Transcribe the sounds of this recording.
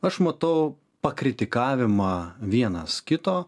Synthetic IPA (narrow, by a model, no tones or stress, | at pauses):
ɐʃmɐt̪ɐʊ | pɐkɾʲɪt̪ʲɪkɑːʋʲɪmɑːʋʲiɛnɐskʲɪt̪oː